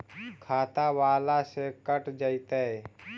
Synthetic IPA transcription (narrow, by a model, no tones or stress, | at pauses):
kʰaːt̪awaːlasekəʈd͡ʒəɪt̪ee